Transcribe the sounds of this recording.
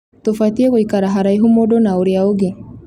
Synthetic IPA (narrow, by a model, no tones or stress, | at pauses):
t̪ofat̪iekoikaɾaɦaɾaiɦumodonaoɾjaoɡe